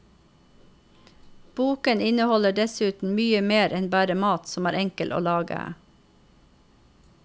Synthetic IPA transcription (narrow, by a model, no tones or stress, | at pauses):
b̥uːkənɪnəhɔləɖɛsʉːt̪n̩myːəmeːɾʔɛnbæːɾəmɑːt̪sɔmæːɾʔɛŋkəlʔo̰ːlɑːɡə̰æ̰